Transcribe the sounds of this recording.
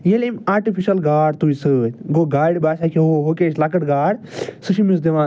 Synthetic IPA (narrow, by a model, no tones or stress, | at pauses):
jelimaːɾʈipʰiʃɐlɡaːɽt̪uisɨɡoːɡaːɽʲbaːsakiɦoːɦokeːʃlakɐʈɡaːɽsɨʃimis̬d̪eʋaː